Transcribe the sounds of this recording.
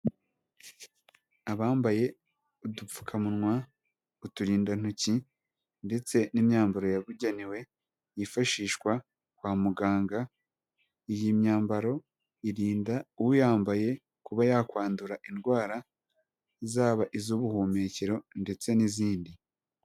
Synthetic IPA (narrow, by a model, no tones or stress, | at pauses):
aβaːmbaje̞ | udup͡fu̥kʰamunŋwa | utuɾiːndan̥uci | nde̞t͡se̞nimɲaːmbaɾo̞jaβuɟeniwe̞ | jifaʃiːʃkwa | kwaːmuɡaːŋɡa | ijimɲaːmbaɾo̞ | iɾiːndauwujaːmbaje̞ | kuβajakwaːnduɾaʔinɡwaːɾa | izaːβaʔizuβuhuːme̞ceɾo̞nde̞t͡se̞niziːndi